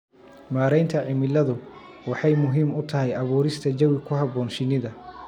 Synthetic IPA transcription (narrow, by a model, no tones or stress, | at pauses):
maːɾɛjnt̪ʰɐʕɪmɪlɐðʊ | wɑħɑjmʊɦiːmʊt̪ʰɐɦɛjɐβuːɾɪst̪ʰɐd͡ʒɐwɪkʰʊɦɑbɔːnʃɪnɪðɐ